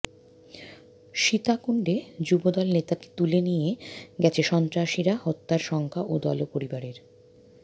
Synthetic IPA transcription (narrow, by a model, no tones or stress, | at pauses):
ʃit̪akuɳɖed͡ʑubod̪ɔlnet̪ake̥t̪ulenijeɡɛt͡ɕʰeʃɔnt̪ɾaʃiɾahɔt̪ːaɾʃɔŋkʰaʔod̪ɔ̰lopoɾibaɾeɾ